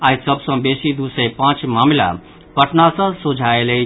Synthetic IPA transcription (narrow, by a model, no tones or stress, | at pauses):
ajsʌbsʌ̃besid̪usəjpãt͡ʃmamla̰ | pəʈʰnasʌ̃sud͡ʒʱaele